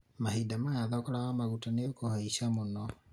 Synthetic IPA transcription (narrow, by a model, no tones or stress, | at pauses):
maɦidamajaðakɔɾaɣamaɣutaneokɔhaiʃamonɔ